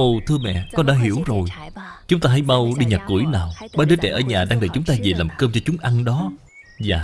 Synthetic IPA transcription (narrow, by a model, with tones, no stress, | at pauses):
ʔo˨˩t̪ʰɨ˧əmɛ̰˧˨kɔ˨˦ɗa̰ː˧˥ɦi˧˩əwzo˨˩j | t͡ɕʊ˨˦ŋ͡mt̪aː˧ɦa˨˧˦jɓa˧wɗi˧ɲaː˨˩t̚ku˧˩əjnaː˨˩wɓaː˨˧˦ɗəː˨˦t͡ɕɛ̰˧˩ʔəː˧˩ɲaː˨˩ɗaː˧ŋɗə˨˩jt͡ɕʊ˨˦ŋ͡mt̪aː˧ze˨˩laː˨˩mkəː˧mt͡ɕɔ˧t͡ɕʊ˨˦ŋ͡mʔa˧ŋɗɔ˨˦ | zaː˨˩